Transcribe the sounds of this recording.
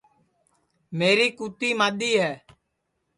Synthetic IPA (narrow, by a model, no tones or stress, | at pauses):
meːɾiːkuːt̪iːmaːɗ̪iːɦɛː